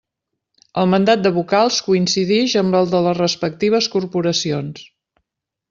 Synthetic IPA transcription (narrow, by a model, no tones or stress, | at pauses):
əlˠmənd̪at̪̚d̪əβ̞ukalˠskuinsiðɛʒəmbəlˠd̪ələzrəspək̚t̪iβ̞əskurpuɾəsions